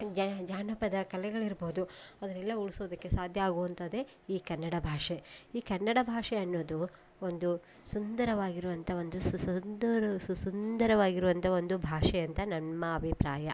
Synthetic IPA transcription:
d͡ʒd͡ʒaːnɐpɐd̪ɐkɐlɛɡɐɭiɾboːd̪uɐd̪ɐɾɛlːɐuɭisoːd̪ɐkːe̞saːd̪ʱjɐaːɡuɐnt̪ɐd̪e | iːkɐnːɐɽɐbʱaːʂeiːkɐnːɐɽɐbʱaːʂɛɐnːoːd̪u | ond̪u | sund̪ɐɾɐʋaːɡiɾuʋɐnt̪ʰɐo̞nd̪usnd̪ɾssund̪ɐɾɐʋaːɡiɾuʋɐnt̪ʰɐo̞nd̪ubʱaːʂɛjɐnt̪ʰɐnɐmmːɐːbʱipɾaːjɐ

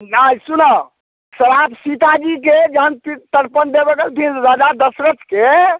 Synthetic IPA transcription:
najsunə | səɾabsit̪ad͡ʒiked͡ʒəɦəntit̪əɾpənd̪ebeɡelt̪ʰinɾad͡ʒad̪əsɾət̪ke

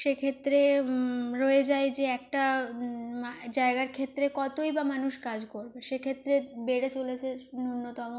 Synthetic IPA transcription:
ʃekʰet̪ːɾe | ɾoed͡ʑaed͡ʑeɛk̚ʈa | ad͡ʑaeɡaɾkʰet̪ːɾekɔt̪ojbamanuʃkad͡ʑkoɾbeʃekʰet̪ːɾebeɽet͡ɕolet͡ɕʰenunːot̪ɔmo

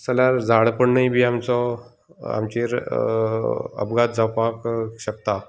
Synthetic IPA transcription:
saljaɾd͡zʱaɽpəɳnəjbʱiːamt͡sɔ | a̰mt͡ɕiɾ | ə̰bɡat̪̚d͡zawpakɕək̚t̪a

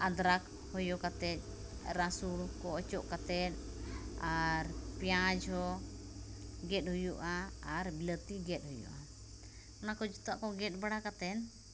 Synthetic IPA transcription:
ʔad̪ɾak | hɔjɔkat̪ɛt̪̚ˀ | ɾasulkɔɔt͡ʃɔʔkat̪ɛt̪̚ | aɾpjad͡ʒɔ | ɡɛt̪̚ˀɦhujuʔaːɾbilət̪iɡɛt̪̚hujṵʔa | ɔnakɔd͡ʒut̪aʔkɔɡɛt̪̚baɽakat̪ɛn

